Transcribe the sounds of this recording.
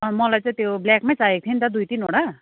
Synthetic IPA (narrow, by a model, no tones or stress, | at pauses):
mʌlajt͡sãĩt̪jeoblɛkmãt͡saɦek̚t̪ʰint̪ad̪ujt̪ino̰ɽa